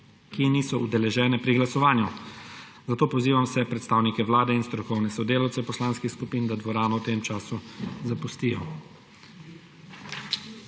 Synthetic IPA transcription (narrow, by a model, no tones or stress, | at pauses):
kiniːsɔud̪ɛlɛʒɛːnɛpɾiɡlasɔʋaːnju | zat̪oːpɔziːʋamsɛpɾɛt̪st̪aːwnikɛʋlaːd̪ɛinst̪ɾɔkɔwnɛsɔd̪eːlawt̪ɛpɔslaːnskixskupiːnd̪ad̪ʋɔɾaːnɔwt̪eːmt͡ʃaːsuzapust̪iːjɔ